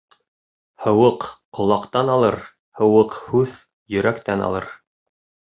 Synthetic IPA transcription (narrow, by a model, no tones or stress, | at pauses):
hɤ̆wɤqːŏlˠɑqt̪ɑnɑlˠɤɾ | hɤ̆wɤqhʉð | jɵ̆ɾækt̪ænɑ̰lˠɤɾ